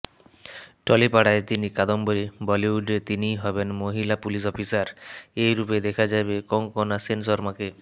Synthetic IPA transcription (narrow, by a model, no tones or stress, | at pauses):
ʈɔlipaɽaet̪inikad̪ɔmbɔɾibɔliuɖet̪inijɦɔbenmoɦilapulis̬ɔpʰisaɾejɾuped̪ekʰad͡ʒajbekɔŋkɔnasensɔɾmake